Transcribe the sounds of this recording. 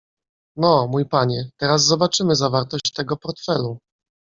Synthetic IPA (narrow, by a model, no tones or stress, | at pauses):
nɔmujpaɲɛt̪ɛɾazzɔbat͡ʂɘmɘzavaɾt̪ɔɕt͡ɕt̪ɛɡɔpɔɾt̪fɛlu